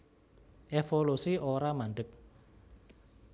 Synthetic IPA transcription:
ʔefolusiʔoɾamaɳɖək̚

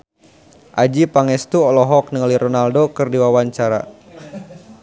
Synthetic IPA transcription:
ʔad͡ʒipaŋɛst̪uɔlɔɦɔk̚nəŋəliɾɔnaldokɨrdiwawaɲt͡ʃaɾa̰

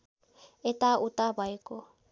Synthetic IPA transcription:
ɛtʼaʔutʼabaikʼɔ

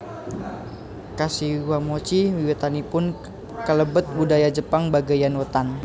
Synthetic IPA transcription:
kasiwamot͡ʃiwiwɛt̪anipʊn | kələbət̪̚budajad͡ʒəpaŋbaɡajanwət̪an

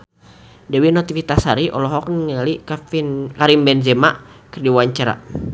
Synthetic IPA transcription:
dɛwinot̪ifit̪ashaɾiʔɔlɔɦɔk̚nŋalikainkaɾimbɛnd͡ʒɛmaʔkɨrdiwaɲt͡ʃaɾa̰

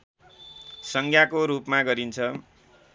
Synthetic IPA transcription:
sʌŋkʰjakoɾupmaɡʌɾint͡sʰʌ

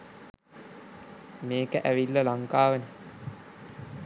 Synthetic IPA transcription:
meːkəʔæʋilːəlaŋkaːʋənə

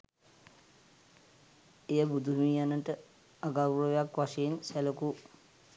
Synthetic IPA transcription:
ejəbud̪ʱuɦmijanəʈə | aɡawrəʋejakʋaʂeinsæləku

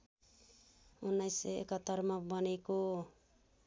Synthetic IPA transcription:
unajseḛkat̪aɾmabanajko

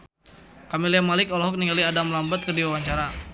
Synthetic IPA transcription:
kamiliamalɪkɔlɔɦɔk̚niŋɡaliadamlambat̪̚kərdiwawaɲt͡ʃaɾa

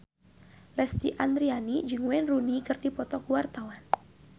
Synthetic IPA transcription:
lɛst̪iʔand̪ɾianid͡ʒɨŋwɛnrunikɨrdipɔt̪ɔkuwart̪awan

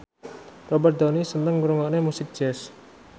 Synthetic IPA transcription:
rɔbərt̪̚d̪ɔnisənəŋːuɾuŋanemusɪk̚d̥d͡ʒ̥ɛs

